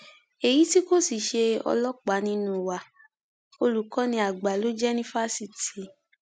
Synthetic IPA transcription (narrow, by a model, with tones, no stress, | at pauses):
e˨ji˨˦ti˦ko˦˨si˨ʃe˧ɔ̰˧lɔ˦k͡pa˨˦nĩ˦nũ˦˧˨wa˨ | o˧lu˨˦kɔ̃˨˦nĩ˧˦a˨ɡ͡ba˨˦lo˦d͡ʒɛ˦nĩ˦fa˦si˦ti˨˦